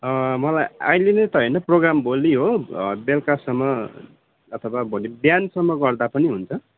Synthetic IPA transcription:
ʌmʌlaja̰jlinet̪ʌɦʌjnʌproɡramboliɦobelkasʌmːʌː | t̪ʰʌwabʱonibjansʌmːʌɡʌrd̪apʌniɦunt͡sʰʌ

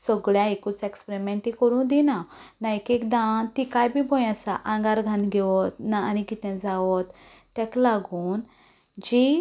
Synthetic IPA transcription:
səɡɭjãekut͡sekspɾimẽɳʈĩkəɾũːd̪inanaekekd̪ãt̪ikajbʱibɔ̃jasaʔãŋɡaɾɡʱãnɡʱɛʋɔt̪naːñiɡit̪ãd͡zaʋɔt̪ː | ɛklaɡuːn | d͡ʑi

